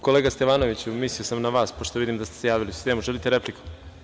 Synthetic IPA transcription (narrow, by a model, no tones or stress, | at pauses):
ko̞leːɡast̪eʋaːno̞ʋit͡ɕumisiosamnaʋaːspoʃt̪o̞ʋid̪imd̪ast̪esejaːʋiliust̪emuʒelit̪eɾe̞pliku̥